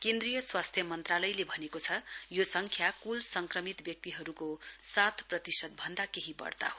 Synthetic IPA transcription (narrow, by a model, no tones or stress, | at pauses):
kend̪rijʌswast̪ʰjʌmʌnt̪ralʌjlebʱʌnekot͡sʰʌjosʌŋkʰjakulsʌŋkrʌmit̪bjʌk̚t̪iɦʌɾukosat̪ʰprʌt̪isʌd̪̚bʱʌnd̪akeɦibʌ̰rt̪a̰ɦo